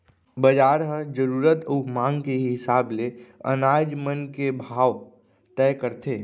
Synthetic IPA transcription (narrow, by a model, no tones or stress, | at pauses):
bəd͡ʒaːɾɦəd͡ʒəɾuːɾət̪umãːŋɡkeɦɪsaːbleə̰naːd͡ʒmənkebʱaːʋ | t̪ɛkəɾt̪eː